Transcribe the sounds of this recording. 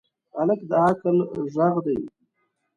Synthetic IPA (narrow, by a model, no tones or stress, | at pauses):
aləkd̪əakəlʒaɣd̪aj